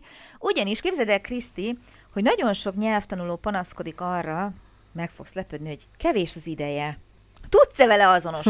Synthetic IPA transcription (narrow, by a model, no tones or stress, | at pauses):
uɟɒniʃkeːbzɛd̪ɛkrist̪i | ho̞ɟnɒɟo̞nʃo̞kɲɛlft̪ɒnuloːpɒnɒsko̞d̪ikɒrːɒ | mɛkfo̞kslɛpød̪niɦo̞ɟkɛveːʃɒzid̪ɛjɛ | t̪ut̪sɛvɛlɛɒzo̞no̞ʃ